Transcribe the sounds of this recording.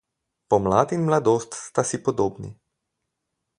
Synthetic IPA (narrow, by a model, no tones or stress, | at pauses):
pɔmlaːd̪inmlad̪oːst̪st̪asipɔd̪oːbnḭ